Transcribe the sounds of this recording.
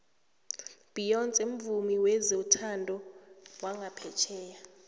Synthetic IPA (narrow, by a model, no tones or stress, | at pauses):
b̥ʱijɔnt͡sʼem̩vumiwɛzeutʰandʱɔwaŋɡʱapʰɛt͡ʃʰɛːja